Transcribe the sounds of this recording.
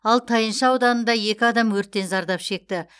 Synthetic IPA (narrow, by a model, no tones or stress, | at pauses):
ɑlˠt̪ʰɑjənʃəɑwd̪ɑnənd̪ɑje̞kʲɪɑd̪ɑmwɵɾt̪ːe̞nzɑɾd̪ɑpʃe̞k̚t̪ɪ